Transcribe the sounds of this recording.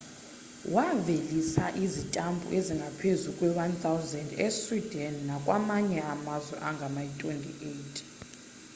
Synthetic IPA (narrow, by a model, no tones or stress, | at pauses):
wavelisa̰ʔizitʼambʱṵʔeziŋɡʱapʰezukʼwɛwant̪ʰʼawzɛndeswidʱɛnːakʼwamaɲɛamazwɛ̰ʔaŋɡʱamaitʼwentʼḭʔejtʼ